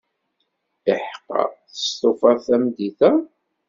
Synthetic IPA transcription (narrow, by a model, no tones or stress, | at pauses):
əħqːɑ̰θə̥st̪ofɑθæmd̪iθæ